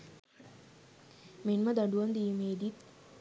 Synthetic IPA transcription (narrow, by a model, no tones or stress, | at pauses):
menməd̪aɖuʋand̪iːmeːd̪it̪